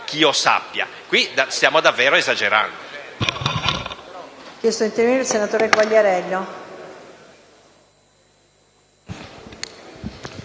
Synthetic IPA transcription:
k̟iːosa̰pːja̰ | kwid̪asjaːmod̪avːɛːɾoezad͡ʒeɾa̰nd̪o | k̟jɛst̪od̪int̪eɾviniɾelsenat̪oːɾeɡwaʎːeɾɛʎːo

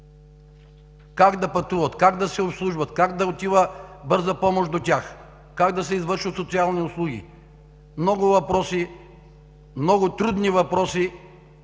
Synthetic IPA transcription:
kaɡd̪ɐpɐt̪uvət̪kaɡd̪ɐsɛopslˠuʒvət̪kaɡd̪ɐot̪ivəbɤɾzɐpɔmoʃd̪otʲax | kaɡd̪ɐsɛizvəɾʃvət̪sot̪sialˠniʊslˠuɡʲḭ | mnɔɡʊvɐpɾɔsi | mnɔɡʊt̪ɾud̪nivɐpɾɔsi

